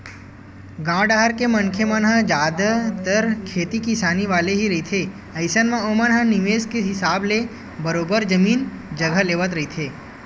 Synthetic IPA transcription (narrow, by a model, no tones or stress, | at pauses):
ɡãɖaɦəɾkemənkʰjəmənɦad͡ʒaːd̪ʱət̪əɾkʰet̪ikisaniʋaleɦiɾəɦit̪ʰe | ɐɪsənmãomənɦaniʋeskeɦɪsable | bəɾobəɾd͡ʒəmiːnd͡ʒəɡʱəleʋət̪ɾəɦit̪ʰe